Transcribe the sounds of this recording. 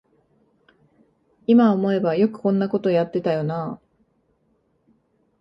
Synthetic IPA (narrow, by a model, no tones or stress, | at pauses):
imaomo̞e̞bajo̞kɯ̟̥kõ̞nːako̞t̪o̞jat̪ːe̞t̪ajo̞naː